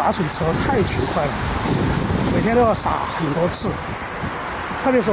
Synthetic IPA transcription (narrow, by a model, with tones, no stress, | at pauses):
a˧˥swe˨˩ɪt͡sʰɤ˧˥t̪ʰa˥˩ɪt͡ɕʰi˧˥nkʰwa˥˩ɪlə˩ | me˨˩ɪt̪ʰjɛ˥nt̪jsa̰˧˥xə˨˩nt̪wɔ˥t͡sʰɹ̩˥˩ | t̪ʰɤ˥˩pjɛ˧˥ʂ̬̩˥